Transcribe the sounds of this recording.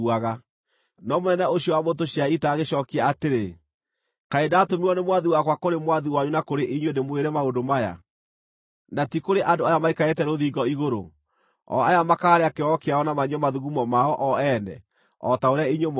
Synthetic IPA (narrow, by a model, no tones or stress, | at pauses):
aɣa | nɔmonɛnɛoɕjɔwamotoɕaitaːɣeɕɔːkeaateɾe | kaedatomiɔnemwaðiwakwakoɾemwaðiwaɲunakoɾeʔiɲwenemweɾɛmaodomaja̰ | natikoɾeʔandoajamaikaetɛɾoðiːɡɔiɣoɾo̰ | ɔ̰ajamakaːɾeakeɔkeaɔnamaɲɔmaðuɣumɔmaɔʔɔɛːnɛ̰ | ɔ̰taoɾeaiɲom